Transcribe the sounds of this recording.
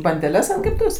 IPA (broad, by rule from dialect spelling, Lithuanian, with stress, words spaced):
bɐnʲdʲɛˈlʲɛs ɐnt kʲɛpˈtʊʋʲeːs